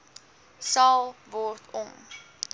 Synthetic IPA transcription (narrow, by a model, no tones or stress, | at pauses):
sɑlˠvɔrtʰɔm